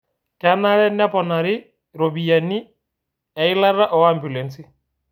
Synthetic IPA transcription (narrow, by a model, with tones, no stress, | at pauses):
ka˦na˦ɾɛ˦na˦pɔ˨na˨ɾɪ˦ | ɾɔ˨bi˨a˨ni˦ | ɛ˨ɪ˦la˦ra˦ʔɔ˨˦ambu˨lɛ˨nsi˦